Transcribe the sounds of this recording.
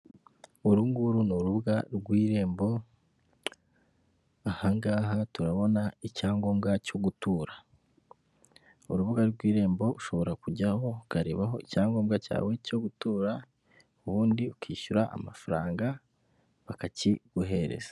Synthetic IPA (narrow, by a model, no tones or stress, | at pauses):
uɾuːŋɡuɾunoɾuβuɡaɾɡwiːɾe̞ːmbo̞ | ahaŋɡaːɦatuɾaβo̞naicaːŋɡo̞ːmɡaco̞ɡutuːɾa | uɾuβuɡaɡwiːɾe̞ːmbo̞uʃo̞βo̞ɾakuɟaho̞ukaɾe̞̰ːβaɦo̞icaːŋɡoːmɡaca̰ːwe̞co̞ɡutuːɾa | uβuːndiukʰiːʃuɾaʔa̰mafaɾa̰ːŋɡa | βakaciɡ̥uɦe̞ɾḛz̥ḁ